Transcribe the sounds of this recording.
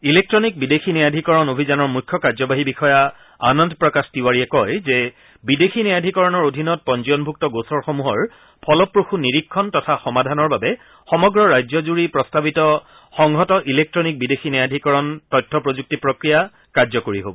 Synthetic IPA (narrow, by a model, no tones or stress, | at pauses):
ilek̚tɹɔnik̚bidexʰinɛjadʱikɔɹɔnobʱizanɔɹmujkʰːjɔkaɹzɔbaɦibixɔja | anɔndpɹɔkastiwaɹiɛkɔjzɛ | bidexinɛjadʱikɔɹɔnɔɹodʱinɔt̚pɔnd͡ʒiɔnbʱuk̚tɔɡosɔɹxomuɦɔɹ | pʰɔlɔpːɹoxuniɹikʰːɔntɔtʰaxɔmadʱanɔɹbabɛ | xɔmɔɡɹɔɹajzɔzuɹipɹɔstabitɔ | xɔŋɦɔtɔʔilek̚tɹɔnik̚bidexʰinɛjadʱikɔɹɔntɔjtʰːɔpɹozuk̚tipɹokɹija | kaɹzɔkoɹiɦo̰bɔ